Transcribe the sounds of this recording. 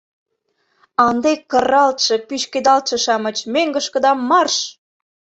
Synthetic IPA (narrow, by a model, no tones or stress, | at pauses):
ɑnd̪ekːə̆rɑlt̪ʃɤ̆pyʃked̪ɑlt̪ʃɤ̆ʃɑmɤ̆t͡ɕmeŋɡə̆ʃkə̆d̪ɑmːɑrʃ